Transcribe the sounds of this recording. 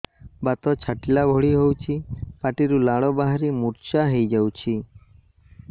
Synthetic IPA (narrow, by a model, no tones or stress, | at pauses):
bat̪ɔt͡ʃʰaʈilabʱɔɭiɦowt͡ʃʰipaʈiɾulaɭɔbaɦaɾimuɾt͡ʃaɦejd͡ʒawt͡ʃʰi